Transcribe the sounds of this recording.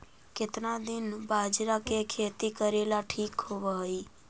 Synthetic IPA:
ket̪nad̪ɪnbad͡ʒɾakekʰet̪ikəɾelaʈʰikɦoʋaɦəi

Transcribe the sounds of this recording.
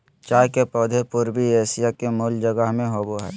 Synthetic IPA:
t͡ʃaːkepoːd̪ʱepʊɾbieːsijakemʊld͡ʒəɡəɦmẽɦoːboɦɛ̰ː

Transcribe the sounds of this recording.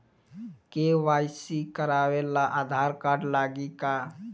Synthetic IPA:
keʋaːjsikəɾawelaʔad̪ʱaɾkaːɾɖlaːɡika

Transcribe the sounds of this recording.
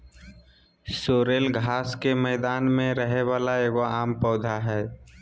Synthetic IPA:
soːɾeːlɡʱaːskemɛːd̪aːnmẽɾəɦeʋaːlaeːɡoaːmpɔːd̪ʱaɦɛː

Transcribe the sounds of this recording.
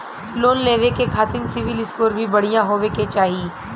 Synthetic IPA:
loːnleːʋekekʰaːt̪ɪnsɪʋɪlɪskoːɾbʱibɐɽ̤ijãɦoːʋeket͡ʃaːɦi

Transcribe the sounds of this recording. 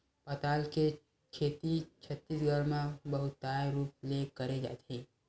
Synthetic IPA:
pɐt̪aːlke | kʰeːt̪it͡ʃʰɐt̪ːiːsɡʱəɾmãbɐɦʊt̪ːaːɾuːp̚lekɐɾed͡ʒa̰ːt̪ẽː

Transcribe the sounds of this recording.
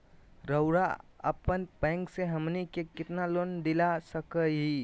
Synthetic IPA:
ɾəʊɾaə̰pənpɛ̃ŋkseɦəmnikekɪt̪nalond̪ilasəkəɦi

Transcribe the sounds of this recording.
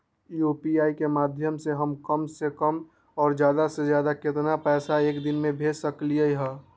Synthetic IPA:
juːpiaːikemaːd̪ʱjəmseɦəmkəmsekəm | ɔːɾd͡ʒjaːd̪asezjaːd̪akɪt̪napɛːsaeːkd̪ɪnmẽbʱeːd͡ʒsəkliəiɦɛː

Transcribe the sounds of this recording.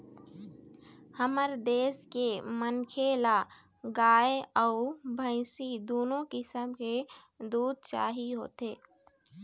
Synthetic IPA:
həməɾd̪eːskemənkʰeːla | ɡaːeɔʊbʱə̃ɪ̃sid̪oːnõkɪsəmke | d̪uːd̪̚ʱt͡ʃa̰ːɦiɦo̰ːt̪eː

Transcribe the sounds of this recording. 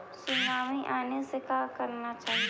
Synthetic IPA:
sʊnaːʋiʔaːnesekakɐɾnat͡ʃaːɦi

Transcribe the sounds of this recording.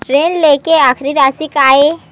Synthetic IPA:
ʈɾeːnleːkeaːxɾiɾaːsikaːe

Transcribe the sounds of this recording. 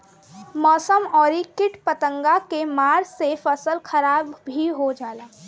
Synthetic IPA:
mɔːsəmɔːɾikɪʈpət̪ə̃ŋɡakemaːɾsefəsəlxɐɾaːbbʱiɦod͡ʒaːlaː

